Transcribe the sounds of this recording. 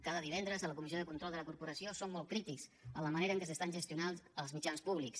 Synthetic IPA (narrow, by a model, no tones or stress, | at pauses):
kaðəðiβ̞ɛnd̪ɾəzələkumizioðəkunt̪ɾɔlˠd̪ələkuɾpuɾəsiosomːɔlˠtkɾit̪ikzələməneɾəŋkəsəst̪anʒəst̪iunanzəlˠzmit͡ʃanspuβliks